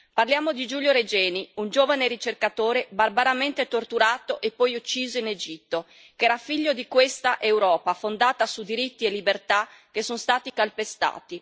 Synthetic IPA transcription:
parljaːmod̪id͡ʒuːljoɾed͡ʒɛːniund͡ʒoːvaneɾit͡ʃerkat̪oːɾebarbaɾament̪et̪ort̪uɾaːt̪oʔepːɔjut͡ʃːiːzoined͡ʒit̪ːo | kɛːɾafiʎːod̪ikwest̪aʔewɾɔːpafond̪aːt̪asud̪iɾit̪ːielːibert̪akːesːonst̪aːt̪ikalpest̪a̰ːt̪i

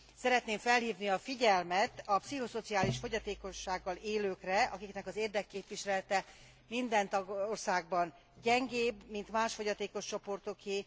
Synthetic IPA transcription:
sɛɾɛt̪neːɱfɛlhiːvniɒfiɟɛlmɛt̪ɒpsiɦo̞so̞t̪siaːliʃfo̞ɟɒt̪eːko̞ʃːaːɡːɒleːløːkrɛɒkiknɛkɒzeːrd̪ɛkːeːpʋiʃɛɛlt̪ɛ | mind̪ɛnt̪ɒɡorsaːɡ̚bɒn | ɟɛŋɡeːbmint̪maːʃfo̞ɟɒt̪eːko̞ʃt͡ʃo̞po̞rt̪oke

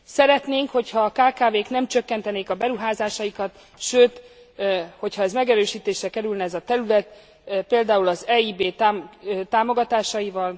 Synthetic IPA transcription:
sɛɾɛt̪neːŋkho̞chɒːkaːkaːveːknɛmt͡ʃøkːɛnt̪ɛneːkɒbɛɾuɦaːzaːʃɒjikɒt̪ | ʃøːt̪ | ho̞chɒɛzmɛɡɛɾøːʃiːt̪eːʃrɛkɛɾylnɛɛzɒt̪ɛɾylɛt̪ | peːld̪aːulɒzɛːiːbeːt̪aːt̪aːmo̞ɡɒt̪aːʃɒjivɒl

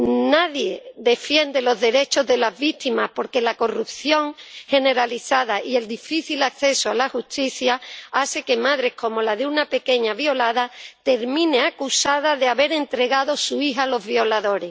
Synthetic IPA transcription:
naðje̞ðe̞fje̞nd̪e̞lo̞zðe̞ɾe̞t͡ʃo̞zðe̞lazβit̪imahpo̞ɾke̞lako̞rupθjo̞ŋhe̞ne̞ɾaliθaðaʔie̞ld̪ifiθilakθe̞soalaxust̪iθjaase̞ke̞maðɾe̞hko̞mo̞laðeunape̞ke̞ɲaβjo̞laðat̪e̞ɾmĩne̞akusaðaðeaβe̞ɾe̞nt̪ɾe̞ɣaðo̞suiɦalo̞zβjo̞laðo̞ɾe̞

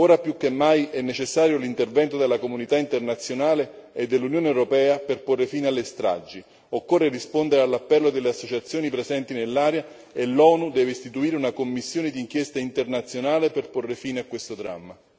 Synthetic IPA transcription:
oːɾapjukːemːajɛnːet͡ʃesːaːɾjolint̪ervɛnt̪od̪elːakomunit̪aint̪ernat̪sːjonaːleed̪ːelːunjoːneɛwɾopɛːaperporːefiːnealːest̪ɾa̰d͡ʒːi | okːorːerispond̪eɾealːapːɛlːod̪elːeasːot͡ʃat̪sːjoːnipɾezɛnt̪inelːaːɾja | elɔːnud̪ɛːveist̪it̪uiːɾeunakomːisːjoːned̪iŋk̟jɛst̪aint̪ernat̪sjonaːleperporːefiːneakːwest̪od̪ɾa̰mːa

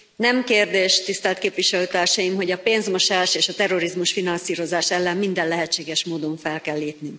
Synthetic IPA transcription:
nɛmkeːrd̪eːʃt̪ist̪ɛlt̪keːpʋiʃɛløːt̪aːrʃɒjimɦo̞ɟɒpeːnzmo̞ʃaːʃeːʃɒt̪ɛro̞ɾizmuʃfinɒnsiːɾo̞zaːʃɛlːɛmːind̪ɛllɛɦɛt͡ʃːeːɡɛʃmoːd̪o̞ɱfɛlkɛlːeːpnyŋk

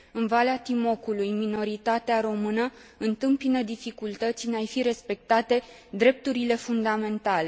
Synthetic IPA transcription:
ɨnvaleat̪imo̞kulujmino̞ɾit̪at̪eaɾo̞mɨnə | ɨnt̪ɨmpinəd̪ifikult̪ət̪sʲneajfiɾe̞spe̞k̚t̪at̪e̞ | d̪ɾe̞p̚t̪uɾile̞fund̪ame̞nt̪ale̞

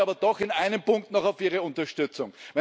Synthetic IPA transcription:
aːbɐd̥ɔχɪnaɪnəmpʊŋk̚tnɔχaʊfiːʁəʊ̃ntɐʃtʏt͡sʊŋvɛ

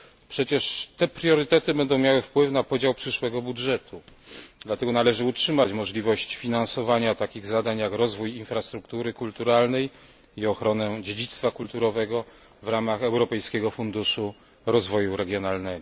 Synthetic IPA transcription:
pʂɛt͡ɕɛʂt̪ɛpɾjɔɾɘt̪ɛt̪ɘbɛnd̪ɔ̃w̃mjawɘfpwɘfnapɔd͡ʑawpʂɘʂwɛɡɔbudʐɛt̪ʰud̪lat̪ɛɡɔnalɛʐɘutʂɘmat͡ɕmɔʐlʲivɔɕt͡ɕfʲinansɔvaɲat̪akʲiɣzad̪aɲjakɾɔzvujinfɾast̪ɾukt̪uɾɘkult̪uɾalnɛj | iɔxɾɔnɛd͡ʑed͡ʑit̪st̪fakult̪uɾɔvɛɡɔ | vɾamaxɛwɾɔpɛjskʲɛɡɔfund̪uʂu | ɾɔzvɔjuɾɛɡʲjɔnalnɛɡɔ

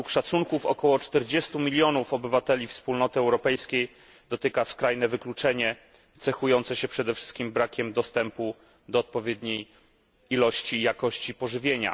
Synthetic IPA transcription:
ɛukʂat̪suŋkufɔ̰kɔwɔt͡ʂt̪ɛɾd͡ʑest̪umʲilʲjɔnufɔbɘvat̪ɛlʲifspulnɔt̪ɘɛwɾɔpɛjskʲej | d̪ɔt̪ɘkaskɾajnɛvɘklut͡ʂɛɲɛ | t̪sɛxujɔnt̪sɛɕɛpʂɛd̪ɛfʂɘ̥st̪kʲimbɾakʲɛmd̪ɔst̪ɛmpu | d̪ɔːt̪̚pɔvʲjed̪ɲej | ilɔɕt͡ɕijakɔɕt͡ɕipɔʐɘvʲjeɲa̰

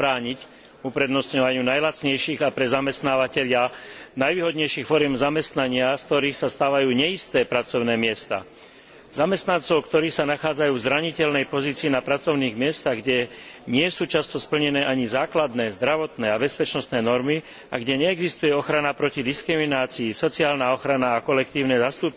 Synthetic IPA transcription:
bɾaːɲic | upɾɛd̪nɔsɲɔʋaɲɪuːnajlat͡sɲɛjʃiːɣapɾɛzamɛst̪naːʋacɛʎɪanajʋiːɦɔd̪ɲɛjʃiːxfɔɾɪjɛmzamɛst̪naɲɪaskt̪ɔɾiːxsast̪aːʋajuːɲɛist̪ɛːpɾat͡sɔʊnɛːmɪɛst̪a̰ | zamɛst̪nant͡sɔʊkt̪ɔɾiːxsanaxaːd͡zajuːvzɾaɲicɛlnɛjpɔziːt͡siːnapɾat͡sɔʊniːɣmɪɛst̪aɣɡɟɛɲɪɛsuːt͡ʃast̪ɔspl̩ɲɛnɛːʔaɲizaːklad̪nɛːzd̪ɾaʋɔt̪nɛːabɛspɛt͡ʃnɔst̪nɛːnɔɾmi | aɡɟɛɲɛːɡzist̪ujɛɔxɾanapɾɔcid̪iskɾiminaːt͡siːsɔt͡siaːlnaɔxɾanaːkɔlɛk̚t̪iːʊnɛːzast̪uːp

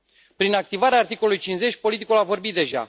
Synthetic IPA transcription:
pɾinak̚t̪ivaɾeaːrt̪ikolulujt͡ʃinze̞t͡ʃʲpo̞lit̪ikulavo̞rbit̪̚d̪e̞ʒa̰

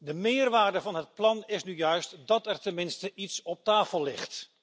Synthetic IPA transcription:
dəmɪːrʋaːrdəvɑnɦət̚plɑnɪsnyjœɥstdɑtɛɹtɛnmɪnstəʔitsɔp̚taːfəlːɪχt

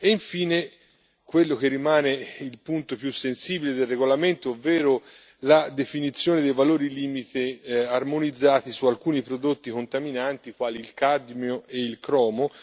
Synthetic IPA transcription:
eiɱfiːne | kwelːok̟erːimaːneilpunt̪opjusːensiːbiled̪elːeɡolament̪oovːɛːɾo | lad̪efinit̪sːjoːned̪ejvaloːɾiliːmit̪earmonid̪zːaːt̪isualkuːnipɾod̪ot̪ːikont̪aminant̪ikwaːliːlkad̪mjoeilkɾɔːmo

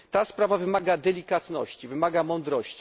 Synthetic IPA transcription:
t̪aspɾavavɘmaɡad̪ɛlʲikat̪nɔ̰ɕt͡ɕivɘmaɡamɔnd̪ɾɔɕt͡ɕi̥

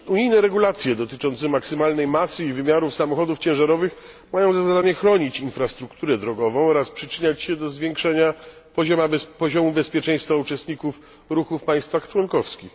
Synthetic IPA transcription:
uɲijnɛɾɛɡulat̪sʲjɛd̪ɔt̪ɘt͡ʂɔnt̪sɛmaksɘmalnɛjmasɘivɘmʲjaɾufsamɔxɔd̪uft͡ɕɛ̃w̃ʐaɾɔvɘx | majɔ̃w̃zazad̪aɲɛxɾɔɲit͡ɕinfɾast̪ɾukt̪uɾɛd̪ɾɔɡɔvɔ̃w̃ɔɾaspʂɘt͡ʂɘɲat͡ɕɕɛd̪ɔzvʲjɛŋkʂɛɲa | pɔʑɔmapɔʑɔmubɛspʲjɛt͡ʂɛ̃j̃st̪faut͡ʂɛst̪ɲikuf | ɾuxufpaj̃st̪faxt͡ʂwɔnkɔfskʲix

